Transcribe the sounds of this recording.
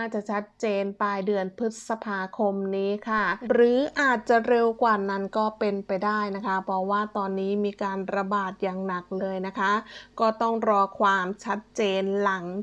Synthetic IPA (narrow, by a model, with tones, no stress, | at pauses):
naː˥˩t͡ɕa˨˩ʔt͡ɕʰa˦˥t̪̚t͡ɕeː˧npaː˧jdɯ˧ənpʰɯ˦˥t̪̚sa˧pʰaː˧kʰo˧mniː˦˥kʰa˥˩ɾɯː˩˦ʔaː˨˩t̪̚t͡ɕa˨˩ɾe˧wkwaː˨˩na˦˥nkɔː˥˩pe˧npa˧jdaː˥˩jna˦˥kʰa˦˥pʰɾɔ˦˥waː˥˩t̪ɔː˧nːiː˦˥miː˧kaː˧nɾa˧baː˨˩t̪̚jaː˨˩ŋna˨˩k̚lɤː˧jna˦˥kʰa˦˥kɔː˥˩t̪ɔ˥˩ŋɾɔː˧kʰwaː˧mt͡ɕʰa˦˥t̪̚t͡ɕeː˧nla˩˦ŋ